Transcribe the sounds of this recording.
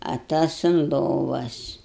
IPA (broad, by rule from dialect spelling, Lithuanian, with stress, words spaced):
ɐ ˈtɐs ʊn ˈlˠoːʋɐs